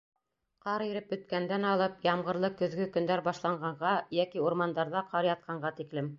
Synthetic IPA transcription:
qɑɾiɾɘp̚bɵ̆t̪̚kænd̪ænɑlˠɤpjɑmʁɤ̆ɾlˠɤkɵ̆ðɡɵkɵ̆nd̪æɾbɑʃlˠɑɴɢɑɴʁɑjækiuɾmɑnd̪ɑɾðɑqɑɾjɑt̪̚qʰɑɴɢɑt̪iklɘm

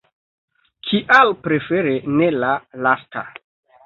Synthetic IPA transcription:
kʰiʔalpɾefeɾenelalasta

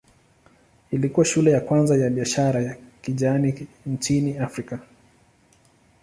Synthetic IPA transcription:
ilikuwaʃulɛjakwanzajaɓiaʃaɾajakiʄaani | ɲt͡ʃiniafɾika

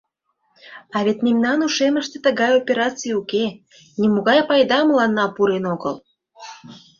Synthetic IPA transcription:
ɑβet̪ʲnʲimnɑnuʃeməʃt̪et̪ə̆ɣɑjopʲeɾɑt͡sijuke | nʲimuɣɑjpɑjd̪ɑmlɑnːɑpuɾenoɣəl

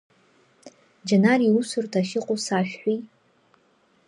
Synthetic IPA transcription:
d͡ʒanariusʊrtʰaʃɪqʷʼosaʃᶣħʷᶣi

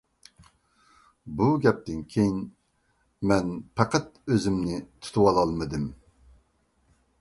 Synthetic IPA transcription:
buɡʲɛp̚t̪ɪnkʲʰejin | mɛnpʰɑqɛt̪øzɪmnɪt̪ʰu̥t̪ʰuwɑlˠɑlˠmɨd̪ɨm

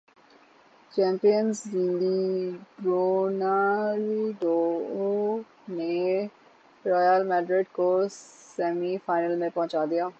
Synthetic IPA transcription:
t͡ʃɛ̃ːmpijənzd͡ʒind̪iɾoːnalɖoːo | ne | ɾɔːjəlmɛːɖɾɪɖkossɛːmiːfʰaːɪnəlmẽpɔ̃ːt͡ʃaːd̪ijaː

